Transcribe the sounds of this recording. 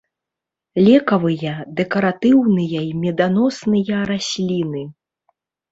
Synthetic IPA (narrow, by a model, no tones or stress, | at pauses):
lʲɛkɐvɨjɐd̪ɛkɐɾat̪ɨwnɨjɐimʲɛd̪anɔsnɨjɐɾasʲlʲinɨ